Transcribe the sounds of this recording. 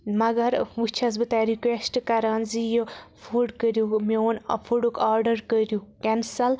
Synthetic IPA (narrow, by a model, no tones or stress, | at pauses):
mɐɡɐɾʋut͡ʃʰɐzbɨt̪aɾikʋesʈkɐɾanzijofʰuɖkəɾjumeonɐ̰pʰuɖukaɾɖɐɾkəɾjukɛnsɐl